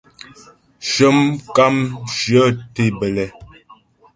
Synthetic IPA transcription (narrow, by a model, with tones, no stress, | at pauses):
ʃə˦mka˦mʃjə˦te˦˨bə˨lɛ˨